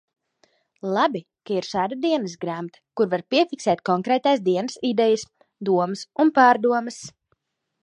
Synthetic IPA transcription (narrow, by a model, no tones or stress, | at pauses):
lˠabi | kaiɾʃaːd̪ad̪iɛnəsɡɾamt̪ḁkuɾvaɾpiɛfiksɛːt̪̚kɔŋkɾɛːt̪aːsd̪iɛnɨsid̪ɛjɐs | d̪uɔmɨsunpaːɾd̪uɔməs